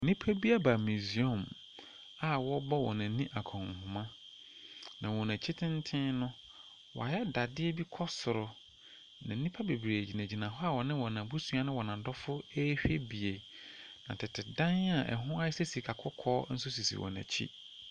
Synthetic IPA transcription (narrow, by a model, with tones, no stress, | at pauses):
nĩ˦pʰæ˦bi˦a˦ba˨mi˨zi˨ɔ̃˨m | a˨wɔ˦bɔ˦wɔ̰̃˨nã˨˦nĩ˦ʔa˨kʰɔ̃˨ŋ˨hʊ̃˨mã˦ | nã̰˨wɔ̃˨næ̃˨t͡ɕʰi˦tʰɪ̃˦n˦tʰɪ̃˦nʊ̃˦ | wɔ̰˨a˨jɛ˦da˨dɪ˦ɛ˦bi˦kʰɔ˦sʊ˨ɾʊ˨ | nã̰˨˦ĩ˦pʰa˦be˨bɾe˨æ˨d͡ʑi˨næ̃˨d͡ʑi˨nã˨ɦɔ˦a˨wɔ˨nɪ̃˦wɔ˨nã˨bu˦sũ˦a˦nɪ̃˦wɔ˨nã˨dɔ˦fʊ˦e˦hᶣe˦bi˨e˨ | nã˨tʰɪ˨tʰɪ˨dã˦n˦a˨ʔɛ̰˨ɦʊ̃˦a˦ɪ˦se˦si˨kʰa˨kʰʊ˦kʰɔː˦n̩˦sʊ˦si˨sḭ˨wɔ̰˨næ̰˨t͡ɕʰḭ˦